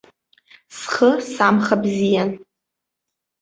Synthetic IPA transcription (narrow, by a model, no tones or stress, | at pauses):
sχəsamχabzijan